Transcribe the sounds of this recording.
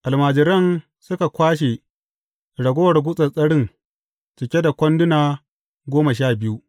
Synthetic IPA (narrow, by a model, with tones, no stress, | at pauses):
ʔa˨lmaː˨d͡ʒɪ˨ɾɐ˦n | sʊ˦ka˨kʷaː˦ʃ̬e˨ | ɽɐ˨ɡʷo˦wɐ˨rɡʷʊ˦sʼɐ˨sʼɐ˦ɽɪ˦ŋ | t͡ʃɪ˨kʲe˦da˨kʷɐ˦ndʊ˦naː˨ | ɡʷoː˦ma˨ʃaː˦bɪ˦ju˦ʔ